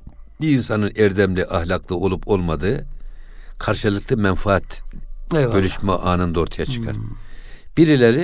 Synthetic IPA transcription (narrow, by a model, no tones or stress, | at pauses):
biinsanɯnɛɾd̪ɛmlʲɛʔahlʲaklˠɯo̞lˠupʰo̞lˠmad̪ɯː | kʰaɾʃɯlˠɯklˠɯmɛnfaat̪ | bø̞lyʃmɛʔaːnɯnd̪o̞ɾt̪ʰajat͡ʃʰɯ̥kʰa̰ɾ | b̥iɾilʲeɾi